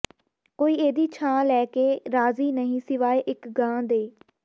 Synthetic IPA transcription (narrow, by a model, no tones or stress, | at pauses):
koːiːeːd̪iːt͡ʃʰãːlɛːkeːɾaːziːnəɦĩːsɪʋaːeːʔɪkɡãːd̪eː